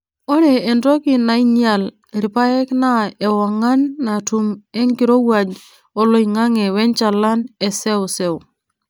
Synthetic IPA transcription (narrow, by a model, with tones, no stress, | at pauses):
ɔ˦ɾɛː˨ndɾɔ˦kɪ˨na˨i˦ɲia˨l | ɾɪ˨pa˦ɛ˦kna˦ɛ˨wa˨ŋa˦nːa˨tu˨mɛ˦ŋɡɪ˨ɾo˦wa˨d͡ʒ | ɔ˨lo˦i˨ŋa˦ŋɛ˨wɛ˦nt͡ʃa˨la˦nɛ˨sɛ˦ʊ˨sɛ˦w